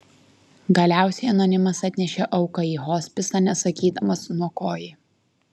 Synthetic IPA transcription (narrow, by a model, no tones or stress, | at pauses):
ɡɐlʲæˑʊsʲɛɪɐnonʲɪmɐsɐt̪ʲnʲɛʃʲeʔɒʊkɐiːɦoːsʲpʲɪsɐnʲɛsɐkʲiːd̪ɐmɐsnuɔkoːjɪ